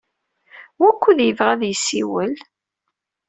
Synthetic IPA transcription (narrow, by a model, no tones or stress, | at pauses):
wækʷːuðjəvʁæðjsːiwəl